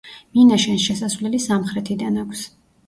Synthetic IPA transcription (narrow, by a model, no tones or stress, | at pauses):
minaʃɛnʃɛsasvlɛlisamχɾɛt̪ʰid̪anakʷʰs